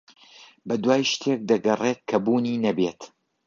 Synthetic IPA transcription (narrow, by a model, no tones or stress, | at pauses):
bɐd̪waːjʃt̪ʰeːk̚d̪ɐɡɐret̪̚kʰɐbuːniːnɐbet̪